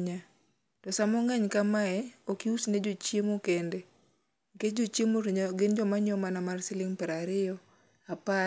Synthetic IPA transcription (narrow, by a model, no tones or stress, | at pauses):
ɲa | tɔsamɔŋɛɲkamaɛokiusned͡ʒot͡ʃjemokende | ŋked͡ʒot͡ʃjemoɡɪnd͡ʒɔmaɲɔmanamarsɪlɪŋpɛɾaɾɪɔ | apa